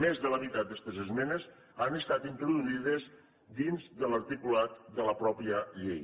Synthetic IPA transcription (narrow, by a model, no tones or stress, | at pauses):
mezðələmit̪at̪̚d̪ɛst̪əzəzmɛnəz | anəst̪at̪int̪ɾuðuiðəz | d̪inzd̪ələɾt̪ikulat̪̚d̪ələpɾɔpiəʎḛj